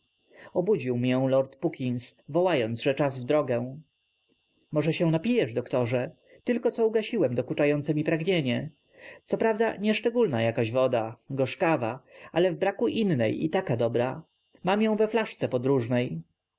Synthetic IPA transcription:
ɔbud͡ʑiwmjɛ̃lɔɾt̪pukʲinsvɔwajɔnd̪zʐɛt͡ʂazvd̪ɾɔɡɛw̃ | mɔʐɛɕɛw̃napʲijɛʐd̪ɔkt̪ɔʐɛ | t̪ɘlkɔt̪sɔuɡaɕiwɛmd̪ɔkut͡ʂajɔnt̪sɛmʲipɾaɡɲeɲɛ | t̪sɔpɾavd̪aɲɛʂt͡ʂɛɡulnajakaʑvɔd̪aɡɔʂkavaʔalɛvbɾakuʔinːɛjḭt̪akad̪ɔbɾa | mamjɔ̃w̃vɛflaʂt̪sɛpɔd̪ɾuʐnɛj

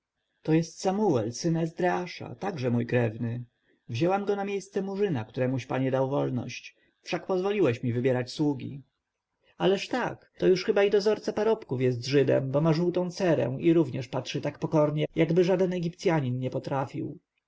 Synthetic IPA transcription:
t̪ɔjɛst̪samuɛlsɘnɛzd̪ɾɛaʂa̰t̪aɡʐɛmujkɾɛvnɘ | vʑɛwamɡɔnamʲjejst̪sɛmuʐɘnakt̪uɾɛmuɕpaɲɛd̪awvɔlnɔ̰ɕt͡ɕ | fʂakpɔzvɔlʲiwɛɕmʲivɘbʲjɛɾat͡ɕswuɡʲḭ | alɛʂt̪akt̪ɔjuʂxɘbaid̪ɔzɔɾt̪sapaɾɔpkufjɛst̪ʐɘd̪ɛ̰mbɔmaʐuwt̪ɔ̃w̃t̪sɛɾɛ̰w̃iɾuvɲɛʂpatʂɘt̪akpɔkɔɾɲɛjaɡbɘʐad̪ɛnɛɡʲipt̪sʲjaɲinɲɛpɔt̪ɾafʲḭw

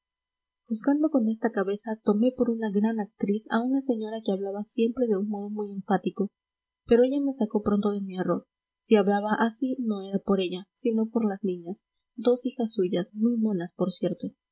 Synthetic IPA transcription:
xuzɡand̪o̞ko̞ne̞st̪akaβe̞sat̪o̞me̞po̞ɾunaɣɾanak̚t̪ɾisa̰unase̞ɲoɾake̞aβlaβasje̞mpɾe̞ðe̞unmo̞ðomuje̞ɱfat̪iko̞ | pe̞ɾo̞e̞ʝame̞sako̞pɾo̞nt̪o̞ðe̞miero̞ɾ | siaβlaβaʔasino̞e̞ɾapo̞ɾe̞ʝasino̞po̞ɾlaznĩɲas | d̪o̞sixasːuʝasmujmolaspo̞ɾsje̞ɾt̪o̞

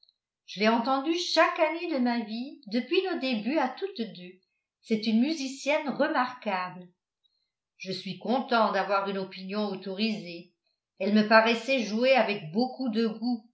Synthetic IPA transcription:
ʒ̥əlɛɑ̃t̪ɑ̃d̪yʃakaned̪əmavid̪əpɥinod̪ebyat̪ut̪d̪ø | sɛt̪ynmyzisjɛnʁəmaʁkabl | ʒəsɥikɔ̃t̪ɑ̃d̪avwaʁynɔpinjɔ̃ot̪ɔʁize | ɛlməpaʁɛsɛʒueavɛk̚bokud̪əɡu

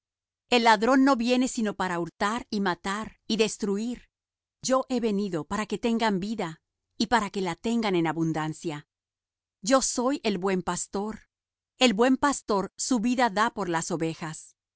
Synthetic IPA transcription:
e̞lːaðɾo̞nːo̞βje̞ne̞sino̞paɾauɾt̪aɾimat̪aɾiðe̞st̪ɾuiɾ | d͡ʒo̞ʔe̞βe̞niðo̞paɾake̞t̪e̞ŋɡambiða | ipaɾake̞lat̪e̞ŋɡane̞naβund̪ansja | d͡ʒo̞so̞je̞lβwe̞mpast̪o̞ɾ | e̞lbwe̞mpast̪o̞ɾsuβiðaðapo̞ɾlaso̞βe̞xas

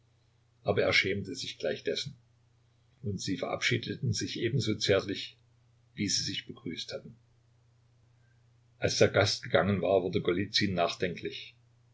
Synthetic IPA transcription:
ʔaːbɐeːɐʃɛːmtəzɪçɡ̥laɪçd̥ɛsn̩ | ʔʊntz̥iːfɛɐʔa̰pʃiːdətn̩zɪçʔeːbm̩zoːt͡sɛːɐtlɪç | viːziːzɪçb̥əɡ̥ʁyːsthatn̩ | ʔalsd̥eːɐɡastɡ̥əɡaŋənvaːɐvʊɐdəɡolit͡sinːaːχd̥ɛŋkʰlɪç

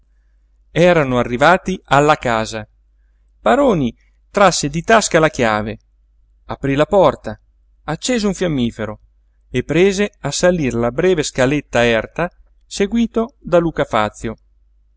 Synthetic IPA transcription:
ɛːɾanoarːivaːt̪ialːakaːza | b̥aɾoːni | t̪ɾasːed̪it̪askalak̟jaːve | apɾilapɔrt̪a | at͡ʃːeːzeũɱfjamːiːfeɾo | epːɾeːzeasalirlabɾɛːveskalet̪ːaɛrt̪a | seɡwiːt̪od̪aluːkafa̰t̪sːjo

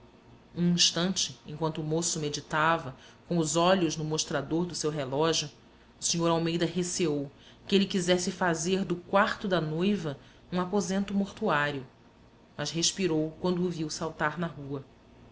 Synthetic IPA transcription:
ũĩʃt̪ɐ̃nt͡ʃɪḛ̃kwɐ̃nt̪ʊːmosʊmed͡ʒit̪avɐ | kõw̃ʊzɔʎʊʒnʊmoʃt̪ɾad̪oɾd̪ʊsewɦelɔʒjʊː | siɲoɾawmejd̪ɐɦeseow | kɪelɪkizɛsɪfazeɾd̪ʊkwaɾt̪ʊd̪ɐnojvɐ | ũapozẽnt̪ʊmoɾt̪uaɾjʊ | mɐzɦeʃpiɾowkwɐ̃nd̪ʊːviwsawt̪aɾnɐɦuɐ

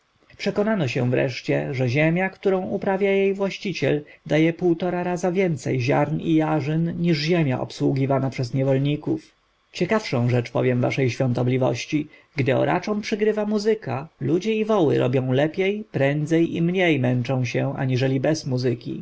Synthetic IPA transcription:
pʂɛkɔnanɔɕɛ̃vɾɛ̰ʂt͡ɕɛʐɛʑemʲjakt̪uɾɔ̃w̃ʔupɾavʲjajejvwaɕt͡ɕit͡ɕɛld̪ajɛpuwt̪ɔɾaɾazavʲjɛnt̪sɛjʑa̰ɾnḭjaʐɘnɲiʐʑemʲja̰ʔɔ̰pswuɡʲivanapʂɛzɲɛvɔlɲikuf | t͡ɕɛkafʂɔ̃w̃ʐɛt͡ʂpɔ̰vʲjɛmva̰ʂɛjɕfʲɔ̃nt̪ɔblʲivɔ̰ɕt͡ɕiɡd̪ɘɔ̰ɾa̰t͡ʂɔ̃w̃pʂɘɡɾɘvamuzɘkalud͡ʑɛivɔwɘ̰ɾɔ̰bʲjɔ̃w̃lɛpʲjɛjpɾɛnd̪zɛjḭmɲejmɛnt͡ʂɔ̃w̃ɕɛʔa̰ɲiʐɛlʲibɛzmuzɘkʲḭ

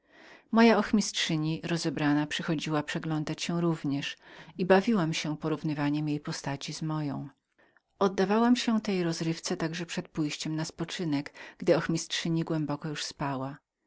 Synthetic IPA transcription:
mɔjaɔxmʲistʂɘɲiɾɔzɛbɾanapʂɘxɔd͡ʑiwapʂɛɡlɔnd̪at͡ɕɕɛɾuvɲɛʂibavʲiwamɕɛpɔɾuvnɘvaɲɛmjejpɔst̪at͡ɕizmɔjɔ̃w̃ | ɔd̪ːavawamɕɛt̪ɛjɾɔzɾɘft̪sɛt̪aɡʐɛpʂɛt̪̚pujɕt͡ɕɛmnaspɔt͡ʂɘnɛɡɡ̥d̪ɘɔxmʲistʂɘɲiɡwɛmbɔkɔjuʂspawa

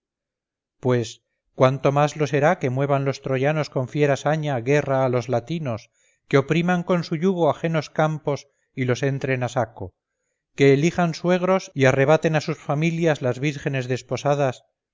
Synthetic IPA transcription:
pwe̞s | kwant̪o̞mazlo̞se̞ɾake̞mwe̞β̞anlo̞st̪ɾo̞ʝano̞sko̞ɱfje̞ɾasaɲaɣe̞raːlo̞zlat̪ino̞s | ke̞o̞pɾimaŋko̞nsuʎuɣ̞o̞axe̞no̞skampo̞s | ilo̞se̞nt̪ɾe̞nasako̞ | ke̞ːlixanswe̞ɣ̞ɾo̞siare̞β̞at̪e̞nasusfamiljazlazβiɾxe̞ne̞zðe̞spo̞sað̞as

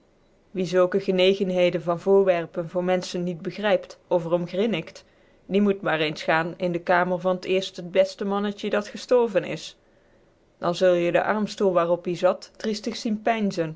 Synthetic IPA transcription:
ʋizɵlˠkəɣənejɣənɦejdənvɑnvʊːɹʋɛrpənvʊːɹmɛnsənːid̚bəɣrɛjptovərɔmɣrɪnɪkt | dimutmaːrejnsχaːnɪndəkaːməɹvɑnətɪːɹstɦəd̚bɛstəmɑnətədɑtχəstɔɹvənɪ̰s | d̥ɑ̰nzɵlˠjədə̰ʔɑ̰ɹmstulˠʋaːrɔpizɑtːristəxsinpɛjnzən

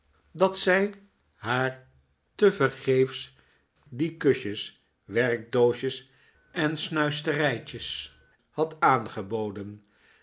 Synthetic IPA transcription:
dɑtsɛj | ɦaːɹ | təvəɹχejfs | dikɵʃəs | ʋɛrɡ̚dowʃəs | ɛnsnœɥstərɛjcəs | hɑtaːnχəbowdən

